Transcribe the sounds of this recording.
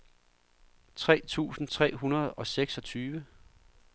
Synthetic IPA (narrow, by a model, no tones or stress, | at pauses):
t͡sʰʁɛ̰ːt͡sʰṵːsn̩t͡sʰʁɛ̰ːɦunɐð̞ˠɒ̽seɡ̥sɒ̽t͡sʰyːʋə